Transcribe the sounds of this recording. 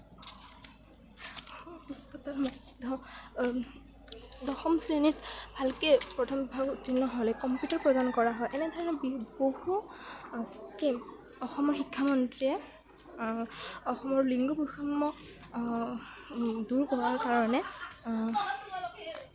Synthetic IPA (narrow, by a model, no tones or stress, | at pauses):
ɔusɔtalmɔ | dɔ | dɔxɔmsɹenitbʱalkejpɹɔtʰɔmbʱaɡutːinːɔɦɔlɛkɔmpjutɔɹpɹɔdankɔɹaɦɔjʔɛnɛdʱɔɹɔnɛbbohu | ke | ɔxɔmɔɹxikʰːamɔntɹiɛ | ɔxɔmɔɹliŋɡubuxɔmːɔ | duɹkɔɹaɹkaɹɔnɛ